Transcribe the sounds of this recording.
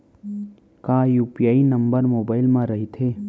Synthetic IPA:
kaːjuːpijaːinəmbəɾmoːbaːɪlmãɾɐɦit̪ʰeː

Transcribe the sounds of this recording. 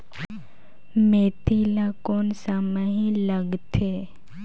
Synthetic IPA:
meːt̪ilakoːnsaməɦĩləɡt̪ʰeː

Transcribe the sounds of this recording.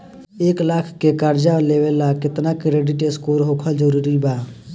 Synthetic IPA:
eːklakʰkekaɾd͡ʒaleʋelakɪt̪nakɾeɖiʈeskuɾɦokʰəld͡ʒəɾuɾiba

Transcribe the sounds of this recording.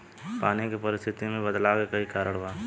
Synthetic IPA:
paːnekepɐɾɪst̪ʰɪt̪imẽbɐd̪laːɡekɐikaːɾəɽ̃baː

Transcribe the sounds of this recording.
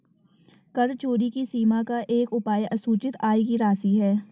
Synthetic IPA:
kɐɾt͡ʃoːɾikisiːmakaʔeːkʊpaːjʔɐsuːt͡ʃɪt̪aːikiɾaːsiɦɛː

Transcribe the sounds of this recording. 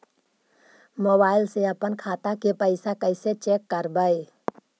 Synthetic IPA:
moːbaːɪlseəpənkʰaːt̪akepəɪsakəɪset͡ʃeːkːəɾbəe

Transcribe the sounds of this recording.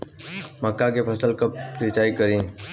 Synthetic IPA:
məkːakepʰəsəlkəp̚ːɾɪt͡ʃaːikəɾĩːn

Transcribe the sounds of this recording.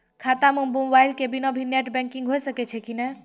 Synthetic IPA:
kʰat̪amə̃bõmbajlkebinɔbʱineʈbɛ̃ŋkiŋɡɦojsəkɛt͡ʃʰɛkinɛ

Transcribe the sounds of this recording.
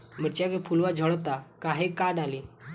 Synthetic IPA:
məɾt͡ʃjakepʰulʋad͡ʒʱəɽɔt̪akaɦekaɖali

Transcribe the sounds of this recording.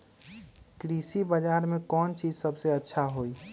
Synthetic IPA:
kɾisibəd͡ʒaːɾmẽkɔːnt͡ʃiːd͡ʒsəbseətːʃʰaɦoi

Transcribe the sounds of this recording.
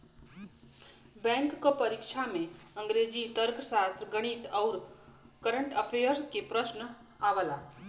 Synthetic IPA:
bɛ̃ŋkːopəɾikʃʰamẽəŋɡɾed͡ʒit̪əɾksast̪ɾɡəɽ̃it̪əwɾ | kəɾəɳʈəpʰejəɾskepɾəʃnə | aʋəla

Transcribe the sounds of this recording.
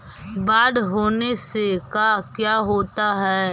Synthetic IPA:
baːɖɦoːnesekakjaːɦoːt̪aɦɛː

